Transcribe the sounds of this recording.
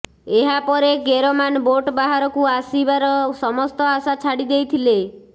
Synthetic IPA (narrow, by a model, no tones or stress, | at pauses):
eɦapɔɾekeɾɔmanboʈbaɦaɾɔkuasibaɾɔsɔmɔst̪ɔasat͡ʃʰaɽid̪ejt̪ʰile